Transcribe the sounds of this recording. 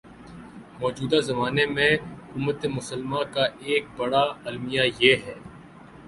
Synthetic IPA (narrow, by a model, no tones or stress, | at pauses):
mɔːd͡ʒuːd̪azɐmaːnemẽɦʊkʊmət̪emʊsəlmãkaeːk̚bɐɽaɐlmijajeɦɛː